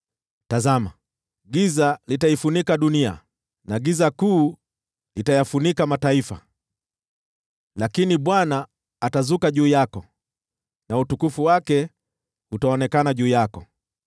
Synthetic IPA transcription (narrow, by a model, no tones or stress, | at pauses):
tazama̰ | ɡizalitaifunikaɗunia̰ | naɡizakuː | itajafunikamataifa̰ | lakiniɓwanaː | tazukaʄuːjakɔ | nautukufuwakɛ | utaɔnɛkanaʄuːjakɔ